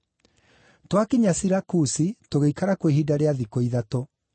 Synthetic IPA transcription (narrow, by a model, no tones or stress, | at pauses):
twakiɲasiɾakusitoɣeikaɾakweɦidaɾeaðikoiðato